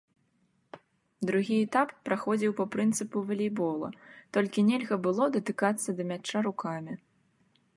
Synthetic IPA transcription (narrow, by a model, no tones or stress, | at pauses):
d̪ɾuɣʲiɛt̪apːɾaxɔd͡zʲiwpɐpɾɨnt̪sɨpuvɐlʲijbɔlˠɐ̰t̪ɔlʲkʲinʲɛlʲɣɐbɨlˠɔd̪ɐt̪ɨkat̪sːɐd̪ɐmʲat͡ʂːaɾukamʲi